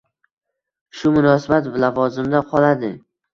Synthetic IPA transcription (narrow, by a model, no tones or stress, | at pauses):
ʃʊmʊnɒsabat̪vlavɒzɪmd̪aqʰɒlad̪ɪ